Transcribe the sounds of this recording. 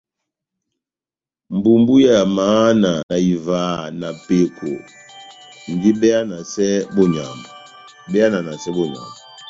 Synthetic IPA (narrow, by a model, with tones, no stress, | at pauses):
m˨bu˨mbu˦ja˦˨ja˨maː˨˦na˨na˨i˨vaː˨˦na˨pe˨kʰo̰˨ | ŋ˨ɡi˦bɛ˦a˦na˨sɛ˦bɔ˦ɲa̰˨mba˨ | bɛ˦a˦na˨na˨sɛ˦bɔ˦ɲa̰˨mba˨